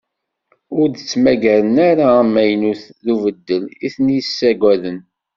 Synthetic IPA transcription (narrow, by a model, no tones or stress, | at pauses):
ʊɾd̪ət͡sːmæɡæɾənaɾamːæjnuθðuvəd̪ːəliθənijəsːæɡʷæðən